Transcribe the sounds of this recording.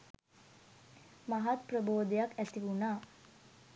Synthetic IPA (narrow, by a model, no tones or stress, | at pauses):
maɦat̪̚prəboːd̪ejakæt̪iʋunaː